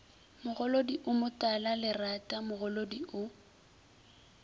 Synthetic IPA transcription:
mʊɣɔlodiʔʊmʊtʼalalɪratʼamʊɣʊlodiʔʊ

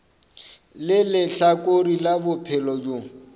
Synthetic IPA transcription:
lɪlɪɬakʼoɾilabʊpʰɛlɔd͡ʒo

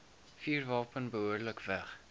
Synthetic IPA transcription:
fiːrvɑːpənbəɦuərdələkvæχ

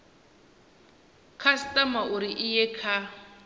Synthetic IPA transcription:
kʰastʼamauɾiʔɪjɛkʰa

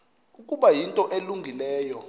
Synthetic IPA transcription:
ukʼuɓajintʼɔʔeluŋɡʱilɛːjɔ

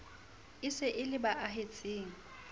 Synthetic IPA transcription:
ɪsɪʔɪlɪbaʔaɦet͡sʼeːŋ̩

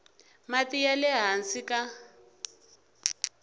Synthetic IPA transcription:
matijalɛɦansika

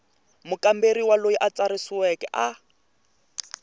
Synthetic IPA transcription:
mʊkambeɾiwalojiʔat͡saɾɪsiwɛkɛ̰ʔa

